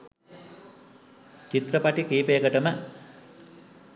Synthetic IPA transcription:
t͡ʃit̪ɾəpaʈikiːpejəɡəʈəmə

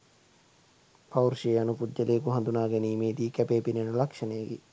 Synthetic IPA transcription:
pʰawuɾʃeːɐnupudːɐleːkuɦɐ̃nd̪unaːɡeniːmeːd̪iːkæpeːpinenulɐkʂɐnejəɡḭ

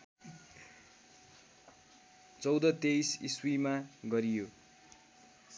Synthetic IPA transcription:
t͡sʌwd̪ʌt̪ejsiswimaɡʌɾijo

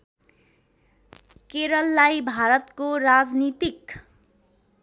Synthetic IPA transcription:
keɾʌlːajbʱaɾʌt̪koɾad͡znit̪ik

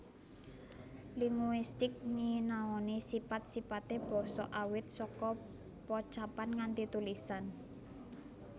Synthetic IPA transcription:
liŋuist̪ɪk̚ninaɔnesipat̪̚sipat̪eb̥ɔ̤sɔʔawɪt̪̚sɔkɔ | pɔt͡ʃapanŋant̪it̪ulisan

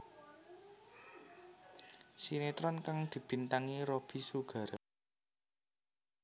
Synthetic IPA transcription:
sinet̪ɾɔnkaŋd̪̥i̤b̥i̤nt̪aŋiɾob̥i̤suɡ̥ä̤ɾa

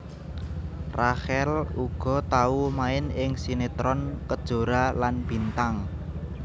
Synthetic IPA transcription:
rahɛluɡ̥ɔ̤t̪aumaɪnɪŋsinet̪ɾɔnkəd̥ʒ̥o̤ɾalanb̥i̤nt̪aŋ

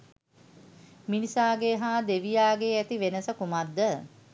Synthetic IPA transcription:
minisaːɡeɦaːd̪eʋijaːɡeæt̪iʋenəsəkumad̪ːə

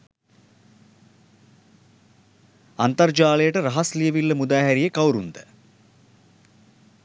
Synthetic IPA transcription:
ant̪ɐrd͡ʒaːlejəʈəɾɐɦɐslijəʋilːəmud̪aːɦæɾijəkawɾund̪ə

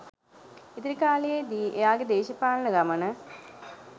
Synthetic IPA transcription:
it̪iɾikaːlijed̪iejaːɡed̪eːɕɐpaːɳɐnɐɡɐmɐnɐ

